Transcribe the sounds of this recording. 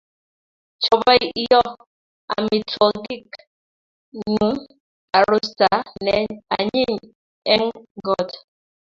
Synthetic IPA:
t͡ʃɔ˨bɔ˦jɔ˦ | a̰˨mi˨tʰɔ˨ɡi˦k | nu˨˦ | a˨ɾu˦sta˨nɛ˨a˨ɲi˦n | ɛ˦ŋɡɔ˦˨t

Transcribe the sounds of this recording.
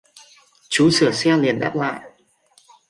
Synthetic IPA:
t͡ɕu˨˦sɨ˧˩əsɛ˧li˨˩ənɗa̰˦˥p̚la̰ː˧˨jʔ

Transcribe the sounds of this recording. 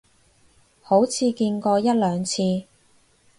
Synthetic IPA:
ho˨˥wt͡sʰiː˧kiː˧nkɔː˧jɐ˥t̚lœː˨˧ŋt͡sʰiː˧

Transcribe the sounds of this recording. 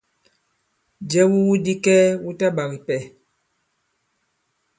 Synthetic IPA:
d͡ʒɛ˦wu˦wu˦di˦kɛ˦wu˦ta˦ɓa˨ɣi˨pɛ˨

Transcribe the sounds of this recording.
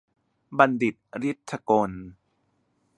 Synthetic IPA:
ba˧ndi˨˩t̪̚ɾi˦˥t̪ʰːa˧ko˧n

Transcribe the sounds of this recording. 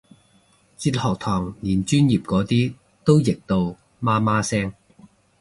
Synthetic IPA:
t͡siː˧t̚hɔː˨k̚t̪ʰɔː˨˩ŋniː˨˩nt͡ʃyː˥njiː˨p̚kɔː˨˥t̪iː˥ | t̪o˥wjɪ˨k̚t̪o˧w | maː˥maː˥sɛː˥ŋ

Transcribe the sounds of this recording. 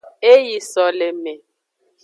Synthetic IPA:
e˦ji˨sɔ˨le˨me˨

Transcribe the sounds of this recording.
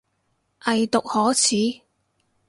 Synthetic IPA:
ʔɐ˨jt̪ʊ˨k̚hɔː˨˥t͡sʰiː˨˥

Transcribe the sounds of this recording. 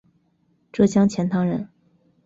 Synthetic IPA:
ʈ͡ʂɤ˥˩ɕjɑ˥ŋt͡ɕʰjɛ˧˥nt̪ʰɑ˥ŋɻə˧˥n

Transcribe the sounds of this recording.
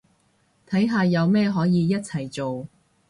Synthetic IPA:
t̪ʰɐ˨˥jɦaː˨˧jɐ˨˧wmɛː˥ɦɔː˨˥jiː˨˧jɐ˥t̚t͡sʰɐ˨˩jt͡so˨w

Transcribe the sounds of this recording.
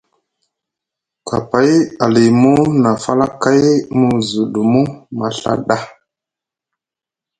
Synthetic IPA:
ka̰˨pa˨˦ja˨li˨mu˦na˨fa˦la˦ka˦jmu˨zu˨ɗu˨mu˦ma˨ɬa̰˨ɗa˦

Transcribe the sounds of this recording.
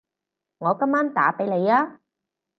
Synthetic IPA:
ŋɔː˨˧kɐ˥mːaː˥nt̪aː˨˥pe˨˥jle˨˧jaː˥

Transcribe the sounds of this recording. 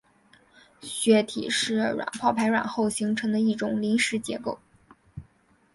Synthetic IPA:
ɕɥɛ˧˥t̪ʰḭ˨˩ʂɻ̩˥˩ɻwa̰˨˩npʰɑ˥˩ʊpʰa˧˥ɪɻwa̰˨˩nxo˥˩ʊɕi˧˥ŋʈ͡ʂʰɤ˧˥ŋd̪ə˧i˥˩ʈ͡ʂʊ˨˩ŋli˧˥nʂɻ̩˧˥t͡ɕjɛ̰˧˥ko˥˩ʊ

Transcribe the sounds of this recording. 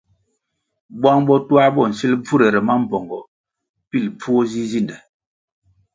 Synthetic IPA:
bwa˦ŋbɔ˦twa˦bɔ˦˨n̩˨si˦lb͡vu˦ɾe˨ɾɛ˨ma˦m̩˨pɔ˨ŋɡɔ˨ | pi˦˨lpu˦o˦zi˦zi˦ndɛ˨

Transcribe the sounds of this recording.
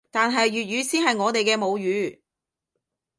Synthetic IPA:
t̪aː˨nɦɐ˨jɥyː˨t̚ɥyː˨˧siː˥nɦɐ˨jŋɔː˨˧t̪e˨jkɛː˧mo˨˧wjyː˨˥

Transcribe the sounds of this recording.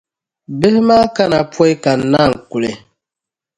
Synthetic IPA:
be˦hma˦ka˦na˨pwɔ˦jka˨na˦˨ŋ̩˨ku˨le˨

